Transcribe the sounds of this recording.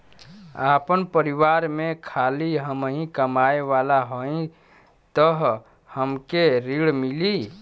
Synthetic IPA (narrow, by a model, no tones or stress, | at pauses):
apənpəɾiwaɾmekʰaliɦəmɦĩkəmaeʋalaɦoĩ | t̪əɦ | həmkeɾiɽmili